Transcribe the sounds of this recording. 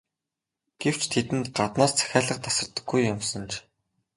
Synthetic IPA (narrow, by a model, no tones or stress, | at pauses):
ɡ̥ew̥t͡ɕʰt̪ʰet̪ɘ̆nt̪ɢat̪naːst͡sʰæ̥xʲaːɮə̆qt̪ḁsə̆rt̪ə̆ɡːujːʊmsɞ̆nt͡ɕ